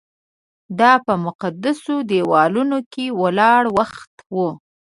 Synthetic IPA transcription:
d̪ɑpəmʊqad̪asod̪ewɑlunokewəlɑɽwaxt̪wu

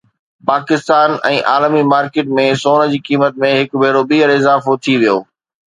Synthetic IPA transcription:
paːkɪst̪aːnɛ̃ːʔaːlmimaːɾkeːʈmẽsoːnə̆d͡ʑiːkiːmət̪̚mẽɦɪkbʱeːɾoɓiːəɾɪzaːfot̪ʰiʋijo̰ː

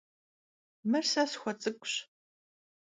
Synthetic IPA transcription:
mɨrsasxʷɔt͡sʼɨkʷʼɕ

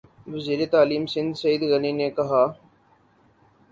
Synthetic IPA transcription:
ʋəziːɾeːt̪aːliːmsɪ̃nd̪səiːd̪ɣəniːneːkɐɦaː

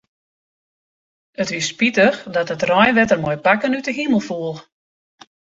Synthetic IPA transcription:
ətʋispitəxdɔtətrɔjʋɛtərmɔjpakənytəɦiməlˠfuəlˠ

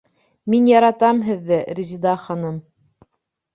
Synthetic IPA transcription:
minjɑɾɑt̪ɑmɦɘ̆ðːɘɾʲizʲid̪ɑχɑnɤm

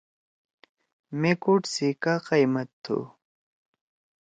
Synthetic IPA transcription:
mekuʈsikaqajmɐt̪ʰːṵ

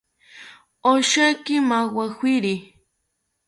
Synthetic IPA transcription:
oʃakɪmawaxwiɾi

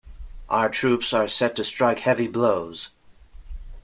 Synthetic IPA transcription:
ʔaʊə˞tʰɹ̥ʉpsə˞sɛtʰɨstɹ̥aɪkhɛvibloʊz̥

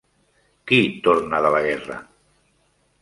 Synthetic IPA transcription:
kit̪oɾnəðələɣɛrə̰

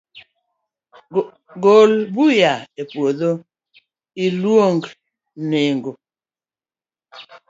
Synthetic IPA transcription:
ɡolbujaepwoðo | ilwoŋɡ | neŋɡo

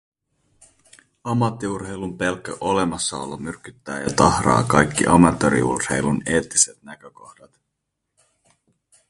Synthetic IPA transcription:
ɑmːɑt̪ːiurɦejlumpe̞lkːø̰ʔo̞le̞mɑsːɑo̰lːɑmyrk̟ːyt̪ːæːjɑ̰t̪ɑhrɑ̰ːkɑjkːḭʔɑmɑt̪ːoɾḭṵrhe̞jlune̞ːt̪ːise̞t̪næk̟ø̞ko̞xdɑt̪

